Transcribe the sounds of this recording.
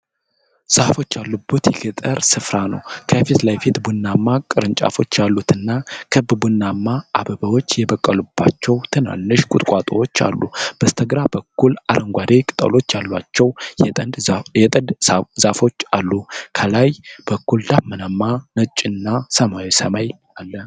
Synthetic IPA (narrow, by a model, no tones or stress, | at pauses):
z̥afo̞t͡ʃːalːubːut̪jɛɡɨt̪ʼəɾsɨfɾanə̰wkʰəfit̪lajfit̪bunːamːakʼɨɾɨnt͡ʃʼa̰fo̞̰t͡ʃːjalːut̪ɨnːakʰɨbbunːamːaʔːbəbəwot͡ʃːjɛbəkʼːəlub̥ːa̰t͡ʃːɛwt̪ʰɨna̰nːɨʃkʷʼʊt̪ʼkʷʼat̪ʼo̰wo̞t͡ʃːa̰lːṵb̥əst̪ʰəɡɾabəkːulaɾʔəŋɡʷad̪ekʼɨt̪ʼə̰lo̞t͡ʃːjalːwat͡ʃːɛw̪ʼnd̪ɛt̪ʼəd̪zafo̞t͡ʃːalːukʰəlajb̥əkːuld̪abmənamːanət͡ʃʼːɪnːasəmawisəmaj | alːə